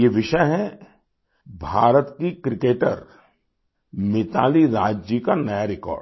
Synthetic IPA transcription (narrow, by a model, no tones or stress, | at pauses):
jeʋɪʃəjɦɛ | bʱaːɾət̪kikɾɪkeːʈə̰ɾ | mɪt̪a̰ːliɾaːd͡ʒd͡ʒikanɐjaɾɪkɔ̰ːɾɖ